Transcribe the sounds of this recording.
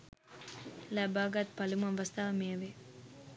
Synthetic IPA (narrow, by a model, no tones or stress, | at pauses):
laːbaːɡat̪̚pɐlumɐʋɐst̪aʋɐmeɐʋe